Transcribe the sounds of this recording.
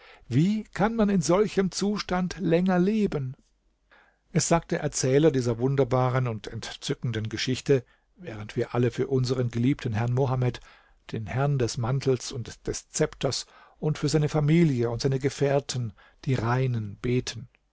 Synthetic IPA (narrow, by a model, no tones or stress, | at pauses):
viːkʰanmanɪnzɔlçəmt͡suːʃtantlɛŋɐleːbən | ʔɛsz̥aːk̚td̥eːɐʔɛɐt͡sɛːlɐdiːzɐvʊndɐbaːʁənʊntʰɛntt͡sʏkn̩dənɡəʃɪçtə | vɛːʁ̞əntv̥iːɐʔaləfyːɐʔʊnzəʁənɡəliːp̚tʰənɦɛɐnmoɦamɛt | d̥eːnhɛɐndɛsmantʰl̩sʊntd̥ɛst͡sɛptʰɐsʔʊntfyːɐzaɪnəfamiːljəʊntz̥aɪnəɡəfɛːɐtʰən̩ | d̥iːʁaɪnənb̥eːtʰən